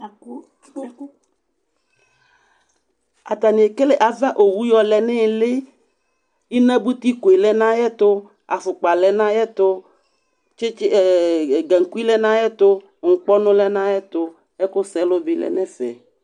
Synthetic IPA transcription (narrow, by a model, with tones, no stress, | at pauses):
a̰˨t̪a˨nĩ˨e˨ke˦le˨ʔa˨va˦ʔo˨wu˦jɔ˦lɛ˨nɛ̃˦˨le˦ | i˦nã˦bu˦t̪i˦ko˨e˨lɛ˦nã˦jɛ˦t̪o˦ | a̰˨fu˨k͡pa˨lɛ˨nã˦jɛ˦t̪o˦ | t͡ʃe˦t͡ʃɡɛ˨ŋ̩˨ku˦i˦lɛ˦nã˦jɛ˦t̪o˦ | ŋ̩˨k͡pɔ˦nõ˦lɛ˦nã˦jɛ˦t̪o˦ | ɛ˦ko˦sɛ˦lo˦bi˨lɛ̰˨nɛ̃˦fɛ̰˨